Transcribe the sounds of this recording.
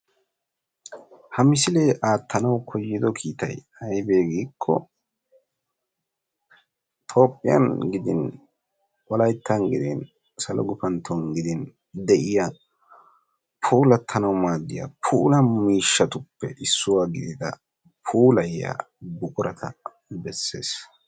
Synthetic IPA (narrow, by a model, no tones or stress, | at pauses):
hɐmɪsɪle̞ːʔaːt̪ːɐnɐwkʰɔjːɪd̪ɔkʰiːt̪ɐ̰j | ɐjbeːɡiːkʰːɔ̰ | t̪ʰo̞ːpʼːɪjɐ̰nɡɪd̪ɪn | wɔlɐjt̪ːɐnɡɪd̪ɪn | sɐlɔ̰ɡʊpɐnt̪ʰːɔnɡɪd̪ɪn | d̪ɛʔɪja | pʰuːlɐt̪ʰːɐnɐwmaːd̪ːɪjɐ̰pʰuːlɐmiːʃːɐt̪ʊpːɛʔɪsːʊwaːɡɪd̪ɪd̪ɐ̰ | pʰuːlɐja̰ | bʊkʼʊɾɐt̪ʰɐ | bɛsːḛːs